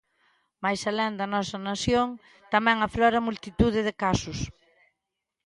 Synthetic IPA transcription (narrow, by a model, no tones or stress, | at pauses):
majsalɛnd̪ɐnɔsɐnasjoŋ | t̪amɛ̃ŋaflɔɾɐmult̪it̪uð̞ɪðɪkasʊs